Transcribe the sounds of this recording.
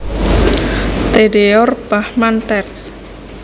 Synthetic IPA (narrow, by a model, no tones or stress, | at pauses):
t̪eɖeɔrb̥ahmant̪ɛrs